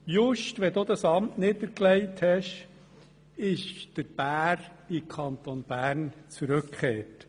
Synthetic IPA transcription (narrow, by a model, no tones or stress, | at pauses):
jʊʃtʋɛd̪od̪ɑsɑmtnɪd̪əklɛɪthɛʃ | ɪʃd̥əɾb̥æːɾɪkʰɑnt̪onb̥æːɾnt͡suɾɵkχeːt